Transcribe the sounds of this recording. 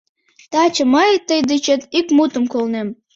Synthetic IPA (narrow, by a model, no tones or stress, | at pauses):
t̪ɑt͡ɕə̆məjt̪ːəjd̪it͡ɕet̪ikmut̪əmkolnem